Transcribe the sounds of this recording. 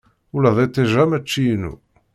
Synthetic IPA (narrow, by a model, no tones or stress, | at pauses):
ulæðˤet̪ˤːeʒæmæt͡ʃːinṵ